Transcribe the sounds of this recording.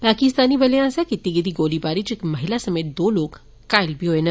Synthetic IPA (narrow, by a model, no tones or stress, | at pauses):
pakist̪aniːbəlẽasakit̪iɡid̪iːɡolibaɾit͡ɕekməɦilasəmet̪̚d̪olok | kajlbʱiɦojenə